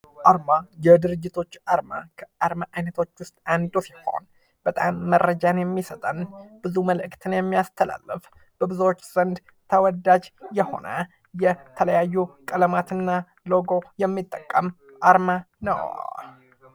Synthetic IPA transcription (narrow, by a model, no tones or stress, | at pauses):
ʔaɾmajɛd̪ɨɾɨd͡ʒːɪt̪ʰo̞t͡ʃːaɾma̰kʰəaɾmaʔajnət̪ʰo̞t͡ʃːwʊst̪ʼand̪usi̥ho̰n | b̥ət̪ʼamːərəd͡ʒanjɛmːisət̪ʼənb̥ɨzuməlɨʔkt̪ʰɨnjɛmːijast̪ʰəla̰lːɨf | b̥əbɨzuwot͡ʃːz̥ənd̪ | t̪ʰəwɔd̪ad͡ʒjɛho̞̰nə̰ | jɛt̪ʰələjajːukʼələmat̪ʰɨnːa | lo̞ɡo̞jɛmːit̪ʼːəkʼːəm | ʔaɾma | nə̰w